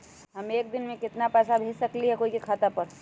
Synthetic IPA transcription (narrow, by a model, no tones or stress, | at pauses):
ɦɐmeːk̚d̪ɪnmẽkɪt̪napɛːsabʱeːd͡ʒsɐkliɦɛkoːikikʰaːt̪apəɾ